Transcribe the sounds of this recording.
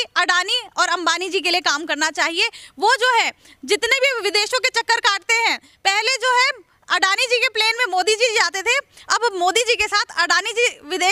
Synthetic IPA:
ɐɖaːniɔːɾɐ̃mbaːnid͡ʒiːk̬eliekaːmkɐɾnat͡ʃaːɦieʋod͡ʒoːɦɛ̃ | d͡ʒɪt̪nebʱiʋɪd̪eːʃõket͡ʃɐkːəɾkaːʈ̚t̪eɦɛ̃ː | pɛɦled͡ʒoːɦɛ̃ | ɐɖaːnid͡ʒiːkepleːnmẽmoːd̪id͡ʒid͡ʒaːt̪et̪ʰeɐbmoːd̪id͡ʒiːkesaːt̪ʰɐɖaːnid͡ʒiʋɪd̪eː

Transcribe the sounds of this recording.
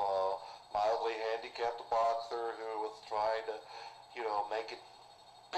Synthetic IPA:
ʌmaɪlˠdˡliɦæ̃ndikʰæp̚bɑksə˞hʉwʌz̥tʰɹ̥aɪɪ̃ŋtɨ | jɨnoʊmeɪkɨt̚ | b̥

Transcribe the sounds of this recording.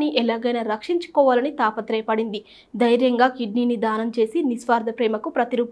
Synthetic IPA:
niʔɛlaːɡɐjnaːɾɐkʂiɲt͡ʃu̥kɔːʋaːlɐnit̪aːpɐt̪ɾɛːpɐɽind̪i | d̪ɐjɾjɐŋɡaːkiɖniːnid̪aːnɐmt͡ʃe̞ːsinisʋaːɾd̪ʱɐpɾɛːmɐkupɾɐt̪iɾuːp

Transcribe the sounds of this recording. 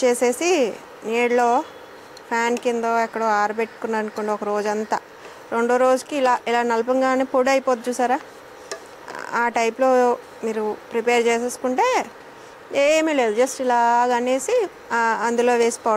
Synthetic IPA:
t͡ʃeːse̞ːsi | neːɽlo̞ː | pʰjaːnkind̪oːɛkːɐɽoːaːɾupeʈːu̥kunːaɾɐnkoɳɖaɔkɐɾo̞ːd͡ʒuɐnt̪aː | ɾe̞ɳɖoːɾo̞ːd͡ʒukiːlaːʔilaːnɐlɐp̬ɐŋɡaːneːpuɽɐjipoːt̪̚t͡ʃuːsaːɾaː | aːʈɐjplo̞ː | miːɾupɾipeːɾt͡ʃeːseːsu̥kuɳʈe̞ː | eːmiːleːd̪ud͡ʒɐsʈilaːɡɐneːsi | ɐnd̪ulo̞ːʋeːsi̥poː

